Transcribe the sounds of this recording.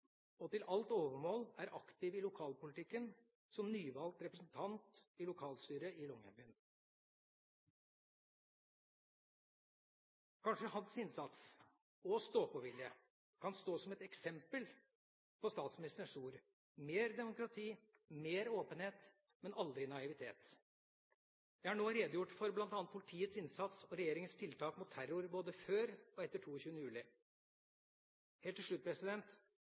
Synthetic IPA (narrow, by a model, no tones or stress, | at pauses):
ɔt̪ɪlʔɑlt̪oːʋəmoːlæɾʔɑkt̪ɪʋɪlʊkʰɑːlpʊlɪt̪ʰɪkːən | sɔmnyːʋɑlt̪ɾɛpɾəsn̩t̪ʰɑnt̪ɪlʊkʰɑːlst̪yːɾəɪlɔŋœ̰bən | kʰɑnʂəhɑnsɪnsɑt̪s | ɔst̪oːpɔʋɪljə | kʰɑnst̪oːsɔmɛt̪ɛksɛmpəl | pʰɔst̪ɑːt̪smɪnɪst̪əʂuːɾ | meːɾd̪ɛmʊkɾɑt̪ʰiː | meːɾoːpənheːt̪ | mɛnʔɑld̪ɾɪnɑɪʋɪt̪ʰḛːt̪ | jæɪhæɳoːɾeːd̪jʊʈːfɔɾblɑnt̪ɑnət̪̚pʰʊlɪt̪ʰiːət̪sɪnsɑt̪sɔɾɛjeːɾɪŋənst̪ʰɪlt̪ʰɑːkmʊt̪ʰːæɾʊɾboːd̪əføːɾɔɛt̪ːəʈʰuːçʉːənəjʉːlɪ | heːlt̪ʰːɪʂɭʉt̪̚pʰɾɛsɪd̪ɛnt̪